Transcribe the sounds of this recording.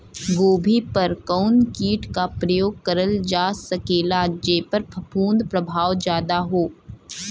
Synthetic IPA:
ɡoːbʱipɐɾkɐʊnkiːʈkapɾɐjoːɡ̚kɐɾəld͡ʒaːsɐkeːlad͡ʒepɐɾpɐpuːnd̪pɾɐbʱaːʋd͡ʒjaːd̪aɦoː

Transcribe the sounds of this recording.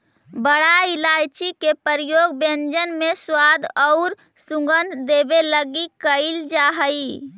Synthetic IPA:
bəɽailajt͡ʃikepəɾijoɡbẽnd͡ʒənmeswad̪ɔʊɾ | sũɡənd̪ebeləɡikəɪld͡ʒaɦəj

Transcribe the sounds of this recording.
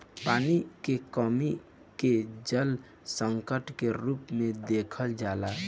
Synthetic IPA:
paːnikekəmi | ked͡ʒəl | səŋkəʈkeɾuːpmẽd̪ekʰəld͡ʒaːla

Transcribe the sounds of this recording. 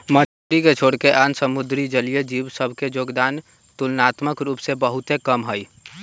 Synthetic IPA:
mə | ɾiket͡ʃʰoːɽkeʔaːnsəmʊd̪ɾid͡ʒəlijəd͡ʒiːʋsəbʱked͡ʒoːɡd̪aːn | t̪ʊlnaːt̪məkɾuːpsebəɦʊt̪ekəmɦəi

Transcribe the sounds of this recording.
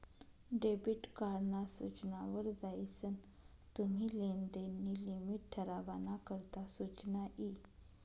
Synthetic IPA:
ɖebiʈkaɾnasut͡ɕnaʋəɾd͡zajsən | t̪um̤iːlend̪enːilimiʈ̚ʈʰəɾaʋanakəɾt̪asut͡ɕnaʔi

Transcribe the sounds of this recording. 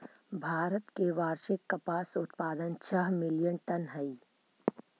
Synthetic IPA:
bʱaːɾət̪keʋaːɾʃɪkːɐpaːsʊt̪paːd̪ənt͡ʃʰɐɦmɪljənʈɐnɦəi

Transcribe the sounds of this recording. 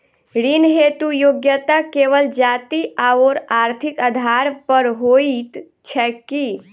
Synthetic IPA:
ɾinɦet̪ujoːɡjət̪akeːʋəld͡ʒaːt̪iaoːɾaːɾt̪ʰikəd̪ʱaːɾpəɾɦoːit̪ | t͡ʃʰɛki

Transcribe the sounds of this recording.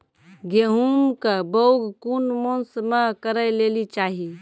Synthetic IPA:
ɡeɦumkəbəwɡʱkunmonsmakəɾəjlelit͡ʃaɦi

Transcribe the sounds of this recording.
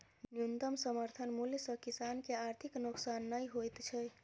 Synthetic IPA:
njunt̪əmsəməɾt̪ʰənmuljsəkisankeaɾt̪ʰiknoksanːəjɦojt̪t͡ʃʰɛ

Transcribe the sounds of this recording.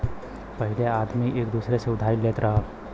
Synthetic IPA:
pəɦɪleaːd̪miʔeːkd̪uːsɾeseʊd̪ʱaːileːt̪ɾɐɦa

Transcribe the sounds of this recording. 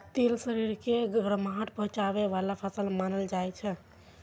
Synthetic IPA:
t̪elsəɾiɾkeɡɾəmɦəʈ̚pəɦt͡ʃabeʋalapʰəsəlmanəld͡ʒajt͡ʃʰɛ

